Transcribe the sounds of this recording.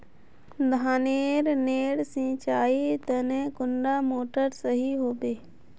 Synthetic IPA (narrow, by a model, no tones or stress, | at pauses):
d̪ʱaːneːɾneːɽsɪ̃t͡ʃaːit̪ənẽkʊɳɖamoːʈəɾsəɦiɦoːbeː